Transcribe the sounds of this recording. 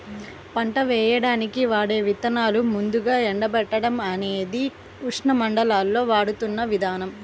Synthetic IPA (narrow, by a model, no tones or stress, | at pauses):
pɐɳʈɐʋɛːjɐɽaːnikiʋaːɽe̞ːʋit̪ɐnaːlumund̪uɡaːɛɳɖɐbɛʈːɐɽɐmɐne̞ːd̪i | uʂɳɐmɐɳɖɐlaːlːo̞ːʋaːɽut̪unːɐʋid̪ʱaːnɐm